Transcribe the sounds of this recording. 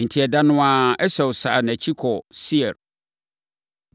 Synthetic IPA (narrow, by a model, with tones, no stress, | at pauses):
n̩˨tʰi˨ɛ˨da˦nʊ̃˦ã˦ɛ˦sɛ˨wsa̰ː˨næ̃˨t͡ɕʰi˦kʰɔ˨si˦ɛ˨ɾ